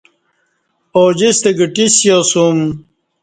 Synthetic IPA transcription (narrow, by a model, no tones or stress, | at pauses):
oːd͡ʑist̪eɡiʈisjosum